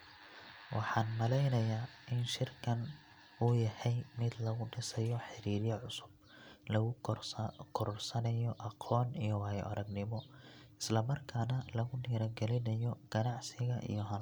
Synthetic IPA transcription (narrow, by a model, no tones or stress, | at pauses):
wʔɑħɑːnmɐlɛjnɐjaːʔɪnʃɪrkʰɐn | ʊjɐhɛjmɪd̪lɐɣʊɖɪsɛjɔħɪɾiːɾjɐʕʊsʊ̥b | lɐɣʊ | kʰɔɾrsɐnɐjɔʔɑqʰɔːnijɔwɑːj̰ʔɐɾɐɡnɪmɔ | ɪslɐmɐrkʰaːnɐlɐɣʊɖiːɾɐɡɛlɪnɐjɔɡ̥ɐnɑʕsɪɣɐʔḭjɔɦɐl